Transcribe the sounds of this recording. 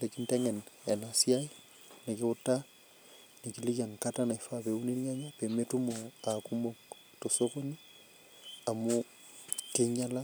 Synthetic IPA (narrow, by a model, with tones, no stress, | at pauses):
le˨ki˦nte˦ŋɛ˨ne˨nasi˦ai | ne˨ki˦utːa | ni˨ki˦li˦ka˨ŋkatana˨ifapeu˦ni˦ɾiŋa˦ɲape˨metu˦moakumok | to˨soko˦ni | a˨mu | keɲa˦la˦